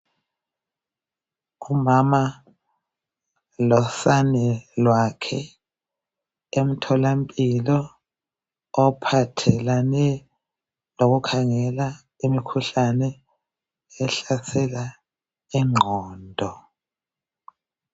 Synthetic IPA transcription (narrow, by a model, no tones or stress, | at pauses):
umama | lɔsanɛlwakʰɛ | em̩tʰɔlampʼilɔ | pʰatʰɛlanɛ | loɣ̬ukʰaŋɛla | imikʰuɬanɛ | ɛɬasɛla | iŋ͡ǃʱɔːndʱɔ